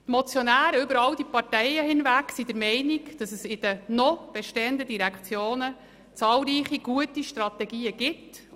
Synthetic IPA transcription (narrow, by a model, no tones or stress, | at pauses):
t̪mɔt͡sjɔnæːɾəʏbəɾɑld̥ipɑrtɛɪjəhɪnvæksidəɾmɛɪnikd̥ɑsəsɪd̥ənɔb̥ɛʃteːəndədiɾɛkχt͡sjoːnə | t͡sɑːlɾiːχiɡ̥uətiʃtrɑtɛɡiːəɡ̥ɪt